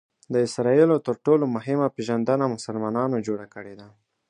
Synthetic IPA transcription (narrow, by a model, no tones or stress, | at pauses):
d̪əɪsɾɑilot̪əɾʈolomʊɦɪmapeʒand̪ənamʊsəlmɑnɑnod͡ʒoɽakəɽed̪a